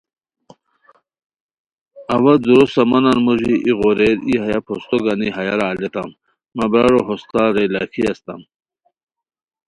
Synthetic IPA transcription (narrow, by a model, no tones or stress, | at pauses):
ɐwɐzuɾosɐmɐnanmuʐiʔiɣoɾeɾiɦajapʰost̪oɡaniɦɐjaɾaːlet̪amː | ɐbɾaɾoɦost̪aɾelakʰiast̪am